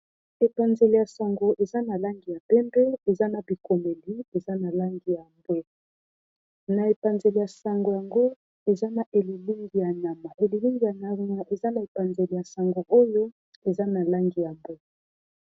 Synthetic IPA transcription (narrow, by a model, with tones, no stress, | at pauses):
e˨pa˨nze˨li˨ja˨sa˨ŋɡo˨ʔe˨za˦na˨la˦ŋɡi˨ja˨pɛ˦mbɛ˦e˨za˦na˨bi˨ko˨me˨li˨˦e˨za˦na˨la˦ŋɡi˨ja˨mbwɛ˦ | na˨e˨pa˨nze˨li˨ja˨sa˨ŋɡo˨ja˨ŋɡo˦ | e˨za˦na˨ʔe˨li˨li˦ŋɡi˨ja˨ɲa˨ma˨e˨li˨li˦ŋɡi˨ja˨ɲa˨ma˨ʔe˨za˦na˨e˨pa˨nze˨li˨ja˨sa˨ŋɡo˨ʔo˦jo˦ | e˨za˦na˨la˦ŋɡi˨ja˨mbwe˦